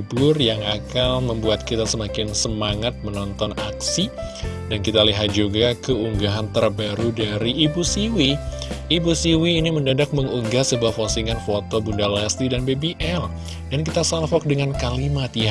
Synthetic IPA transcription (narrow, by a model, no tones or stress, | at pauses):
bʊrjaŋakalməmbuat̪̚kit̪asəmakɪnsəmaŋat̪̚mənɔnt̪ɔnaksi | dankit̪aliɦat̪̚d͡ʒuɡakəuŋɡaɦant̪ərbaɾudaɾiʔːbusiwiː | busiwiːniməndadak̚məŋuŋɡasəbuahfosiŋanfot̪obundalast̪idanbebiʔɛl | dankit̪asalfɔk̚dəŋankalimat̪̚ja